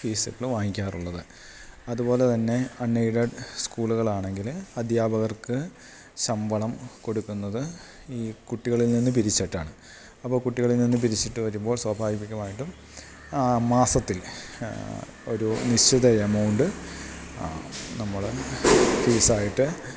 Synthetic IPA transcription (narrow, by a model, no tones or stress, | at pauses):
fiːsɨɣɐɭɨʋaːŋikʲːaːruɭːɐðɨ | ɐðubo̞ːle̞t̪ɐnːe̞ɐnːɐjɽɐɖskuːluɣɐɭaːɳe̞ŋɡilɐd̪ʱjaːbɐɣɐrkɨ | ɕɐmbʱɐɭɐmko̞ɽukːunːɐðɨ | iːkuʈːiɣɐɭilninːɨpiɾit͡ɕːɐʈːaːɳɨ | ɐpːoːkuʈːiɣɐɭilninːɨp̬iɾit͡ɕːiʈːɨʋɐɾumbo̞ːɭswɐbʱaːɡipikʲːɐmaːjiʈːum | maːsɐt̪ːil | o̞ɾuniɕiðɐemɐwɳɖɨ | nɐmːɐɭefiːsaːjiʈːɨ